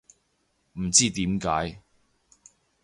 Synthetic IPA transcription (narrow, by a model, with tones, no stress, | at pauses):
m̩˨˩t͡siː˥˩t̪iː˨˥mkaː˨˥j